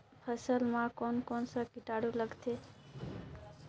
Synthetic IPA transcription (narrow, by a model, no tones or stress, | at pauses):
pʰəsəlmãkonkɔnsə̃kiʈaɽuləɡt̪ʰe